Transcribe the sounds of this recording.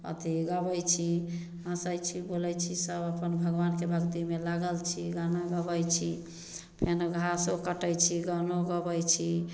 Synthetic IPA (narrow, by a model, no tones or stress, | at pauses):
ə̰t̪iɡəbəjt͡ʃʰi | ãsəjt͡ʃʰibolɛjt͡ʃʰisəbəpənbʱəɡbankebʱəkt̪imelaɡəlt͡ʃʰiɡanaɡəbəjt͡ʃʰi | pʰenɡʱasokəʈəjt͡ʃʰiɡənoɡəbəjt͡ʃʰi